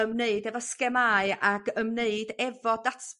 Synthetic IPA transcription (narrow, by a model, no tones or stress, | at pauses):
əmneɨdɛvɔskɛmaːɨʔaɡəmneɨdɛvɔdatʰ